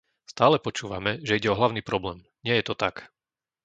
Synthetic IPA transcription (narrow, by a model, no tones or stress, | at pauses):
st̪aːlɛpɔt͡ʃuːʋamɛʒɛiɟɛɔɦlaʊniːpɾɔblɛːm | ɲɪɛjɛt̪ɔt̪ak